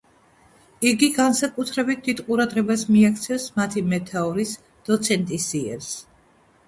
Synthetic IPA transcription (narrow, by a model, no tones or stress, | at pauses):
iɡiɡansakʼut̪ʰɾɛbit̪̚ʰd̪it̪qʼuɾad̪ʁɛbasmiak̚ʰt̪sʰɛfsmat̪ʰimɛt̪ʰaɔɾis | d̪̥ɔt̪sʰɛnt̪ʼisiɛ̰ɾs